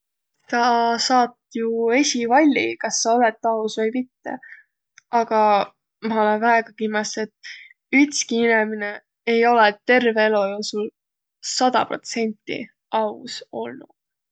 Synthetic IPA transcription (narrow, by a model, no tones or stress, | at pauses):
t̪ɑsɑːt̪ːjue̞sʲivɑlʲːikɑsːɑo̞let̪ːɑusvɤjmit̪ːe̞̰ | ɑɡ̥ɑ | mɑo̞lenvæeɡ̥ɑkimɑse̞t̪ | yt̪skiinemine | ejo̞let̪ːe̞rveelojowsul | sɑd̪̥ɑ̰pro̞̰t̪se̞nʲt̪ːˑḭ | ɑuso̞lnu